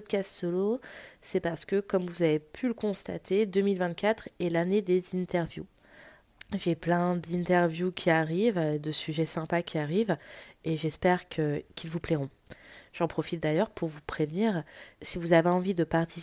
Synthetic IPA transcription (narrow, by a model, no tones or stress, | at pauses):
d̪̚kast̪sɔlosɛpaʁsə̥kəkɔmvuzavepʰyləkɔ̃st̪a̰t̪ʰed̪əmilvɛ̃t̪̚kʲat̪χɛlaned̪ezĩnt̪ɛʁvjṵ | ʒeplɛ̃d̪ĩnt̪ɛʁvjukʲʰiaʁivd̪əsyʒɛsɛ̃pakʲiaʁiveʒɛspɛʁkʰəkʰʲilvupleʁɔ̃ | ʒ̥ɑ̃pχɔfit̪̚d̪ajœʁpʰuʁvupχevniːʁsivuzaveɑ̃vid̪əpaʁt̪i